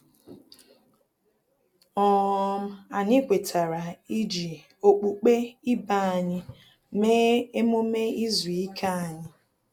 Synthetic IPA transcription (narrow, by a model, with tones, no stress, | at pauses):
ɔ˦˨˦m̩˦a˨ɲɪ˦kʷe˨tʰa˨ɾa˨i˦d͡ʒi˨ | o˨k͡pu˨k͡pe˦i˦ba˦˨a˨ɲɪ˦ | me˦e˦mʊ˦me˦i˦zu˨i˦kʰa˦a˨ɲɪ˦